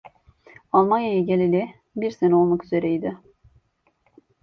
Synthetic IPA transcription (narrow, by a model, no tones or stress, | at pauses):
alˠmanjajaɟelʲilʲɪ | biɾseno̞lˠmakyz̥eɾɛjd̪ɪ